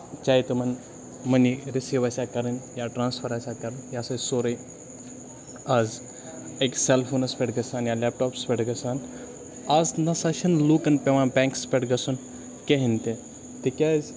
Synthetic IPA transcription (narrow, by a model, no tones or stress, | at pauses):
t͡ʃaːit̪ɐmɐn | mɐniɾisiːʋasʲakɐɾənjaʈɾãːnspʰɐɾaːsʲakɐɾnjasɐsoːɾəj | az | ekselfʰoːnɐspʲeʈɡɐsaːnjalɛp̚ʈɔːpspʲeʈɡɐsaːn | aznɐsɐʃɐnlukɐnpeʋãbɛ̃ːŋkspʲeʈɡɐsun | keɦint̪e | t̪ekʲazʲ